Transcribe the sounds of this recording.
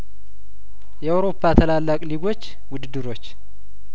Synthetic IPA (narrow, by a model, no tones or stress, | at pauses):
jɛawɾo̞pʰːat̪ʰəlalːakʼliɡo̞t͡ʃː | wʊd̪ɨd̪ɨɾo̞t͡ʃː